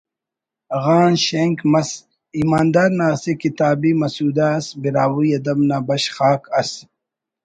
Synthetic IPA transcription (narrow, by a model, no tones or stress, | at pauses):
ɣaːnɕeŋkmɐs | iːmaːnd̪aːɾnaːsekit̪aːbimɐsuːd̪aːsbiɾaːwuɐd̪ɐbnaːbɐɕxaːkɐs